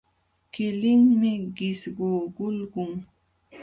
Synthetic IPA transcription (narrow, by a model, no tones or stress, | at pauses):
kɪlɪŋmɪɢɪsɢoɢʊlɢʊŋ